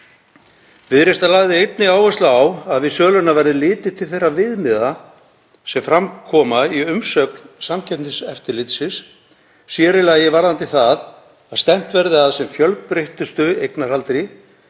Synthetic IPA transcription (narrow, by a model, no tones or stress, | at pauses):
vɪðɾest̪alaːɣðɪejt̪nɪaːwvɛst̪laawaðvɪðsœːɣlʏnavɛɾðɪlɪːt̪ɪt̪ʰɪlθejrːavɪðmɪða | sɛmfɾamkʰɔːmaiʏmsœknsamcʰɛpnɪsɛft̪ɪlɪt̪sɪsː | jɛːɾɪlajɪvaɾðant̪ɪθað | aðst̪ɛm̥t̪vɛɾðɪaðsɛmfjœlpɾeht̪ʏst̪ʏejknaɾhalt̪ɾi